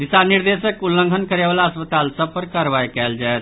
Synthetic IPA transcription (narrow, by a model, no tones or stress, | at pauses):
d̪isaniɾd̪esəkulːə̃ŋɡʱənkəɾebʋalaəspət̪alsəb̚pəɾkaɾʋajkɛld͡ʒaet̪